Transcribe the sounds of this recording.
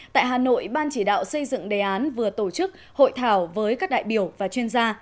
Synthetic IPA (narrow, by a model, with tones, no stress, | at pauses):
t̪a̰ː˧˨jɦaː˨˩no̰˧˨jɓaː˧nt͡ɕi˧˩ɗa̰ː˧˨wsə˧jzɨ̰˧˨ŋɗe˨˩ʔaː˨˦nvɨ˨˩ət̪o˧˩t͡ɕɨ˦˥k̚ | ho̰˧˨jt̪ʰaː˧˩wvəː˨˦jkaː˦˥k̚ɗa̰ː˧˨jɓi˧˩əwvaː˨˩t͡ɕwi˧ənzaː˧